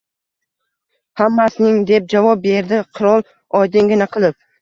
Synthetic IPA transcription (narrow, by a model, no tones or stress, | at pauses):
hamːasɪnɪŋd̪e̞p̚d͡ʒavɒp̚be̞ɾd̪ɪqʰʊɾɒlˠ | ɒjd̪ɪŋɡʲɪnaqʰɨlˠɪp̚